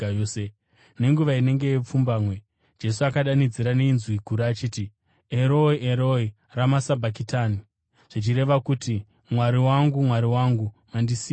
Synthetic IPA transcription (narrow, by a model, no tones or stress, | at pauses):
ose | ne̞ŋɡuʋaine̞ŋɡe̞jep͡fumbaːmwe̞ | d͡ʒe̞suakaɗanid͡ziɾaneinzwiɡʱuɾaaːt͡ʃiːti | eɾoiʔeɾoi | ramasabʱak̬itani | ʐ̥it͡ʃiɾe̞ʋakuti | mwaɾiwaŋɡumwaɾiwaŋɡumandisi